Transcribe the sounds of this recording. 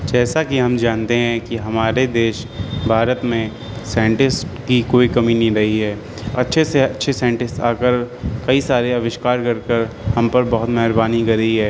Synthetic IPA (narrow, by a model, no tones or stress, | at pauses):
d͡ʒɛːsakiɦɐ̃md͡ʒaːnt̪eɦɛ̃kiɦɐmaːɾed̪eːʃ | bʱaːɾət̪mẽ | sãːɳʈɪskikoːikɐminɦĩɾɐɦiɦɛː | ɐtːʃʰeseɐtːʃʰesãːɳʈɪsʈa̰ːkəɾkɐisaːɾeɐʋɪʃkaːɾkɐɾkəɾ | hɐ̃mpɐɾbɐɦʊt̪mɛɦɾbaːnikɐɾəɦiɦɛː